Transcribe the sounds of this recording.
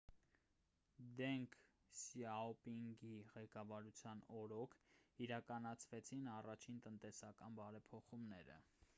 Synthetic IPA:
d̪ɛŋkʰ | siɑɔpiŋɡiʁɛkɑvɑɾut͡sʰjɑnɔɾɔkʰiɾɑkɑnɑt͡sʰvɛt͡sʰinɑrɑt͡ʃʰint̪ənt̪ɛsɑkɑnbɑɾɛpʰɔχumnɛ̰ɾə̰

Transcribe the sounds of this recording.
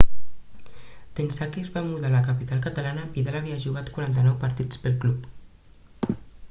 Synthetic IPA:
t̪ensakizβamuðalakapit̪alˠkət̪alanəpiðalaβiaʒuɣat̪kwuɾant̪ənɔwpaɾt̪it͡spəlˠklup

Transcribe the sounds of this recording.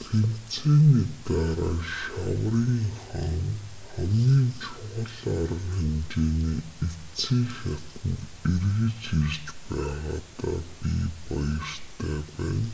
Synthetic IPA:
t̪ʰen̥t͡sʰeːniːt̪aɾaːʃawriːŋχaŋ | χæmniːnt͡ɕʰʊʁə̆ɮaɾə̆ŋxæmt͡ɕeːniː | e | t͡siːxʲat̪ə̆nerɣɘ̆t͡ɕeɾt͡ɕpæːʁaːt̪aːpipɔjə̆rt̪ʰæːpæːn

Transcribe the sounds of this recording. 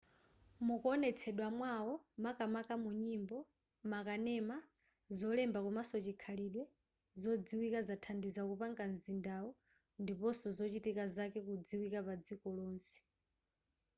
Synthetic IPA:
mukɔnɛt͡sʰɛɗwamwaɔmakamakamuɲimbɔ | makanɛma | zɔlɛmbakumasɔt͡ʃikʰaliɗwɛ | zɔd͡ziwikazatʰandizakupaŋkanzindaɔ | ndipɔsɔzɔt͡ʃitikazakɛkud͡ziwikapad͡zikɔlɔːnsi̥

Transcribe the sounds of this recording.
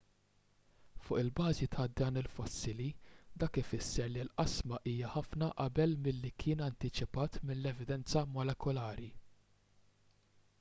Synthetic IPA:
fʊːʔɪlbɐːzit̪ʰɐd̪ɐːnɪlfɔsːɪlid̪ɐːkɪfɪsːɛɾlilʔɐsmɐʔiːjɐħɐfnɐʔɐbɛlmɪlːikʰɪːnɐnt̪ɪt͡ʃɪpɐːt̪mɪlːɛvɪd̪ɛnt͡sɐmɔlɛkɔlɐːɾi

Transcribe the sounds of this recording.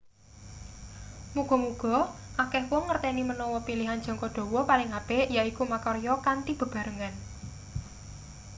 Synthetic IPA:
muɡ̥ɔ̤muɡ̥ɔ̤ʔakɛhwɔŋːərt̪ɛnimənɔwɔpiliɦan̥d͡ʒ̥ɔ̤ŋkɔɖ̥ɔ̤wɔpalɪŋapejaikumakɔɾjɔkant̪ib̥ə̤b̥ä̤ɾəŋan

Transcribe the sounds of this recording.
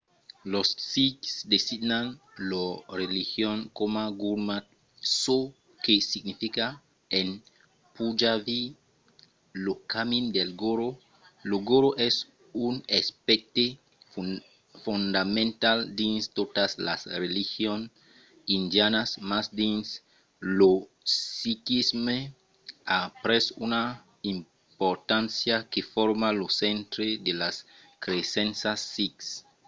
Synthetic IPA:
lossiksd̪esid̪nan | lorelixjonkomaɡuɾmat | so | kesiɡnifika | en | pud͡ʒavi | lokamind̪elɡoɾo | loɡoɾoʔes | unespek̚t̪e | fund̪amẽnt̪ald̪inst̪ot̪aslasrelixjon | ind̪janasmasd̪ins | lo | sikisme | apɾesuna | im | poɾt̪ãnsjakefoɾmalosent̪ɾed̪elas | kɾesẽnsasːiks

